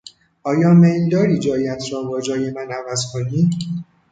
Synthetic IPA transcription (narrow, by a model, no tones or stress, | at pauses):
ʔɒːjɒːmejld̪ɒːɾiːd͡ʒɒːjæt̪ʰɾɒːbɒːd͡ʒɒːje̞mænævæzkʰoniː